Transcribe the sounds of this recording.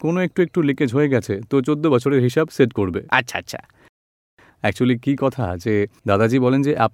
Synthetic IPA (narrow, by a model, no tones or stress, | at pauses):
konoek̚ʈuek̚ʈuliked͡ʑɦoeɡɛt͡ɕʰet̪ot͡ɕod̪ːobɔt͡ɕʰoɾeɾɦiʃabseʈkoɾbea̰tːɕʰaa̰tːɕʰa̰ | ɛk̚t͡ɕualikikɔt̪ʰa̰d͡ʑed̪ad̪ad͡ʑibɔlend͡ʑeʔap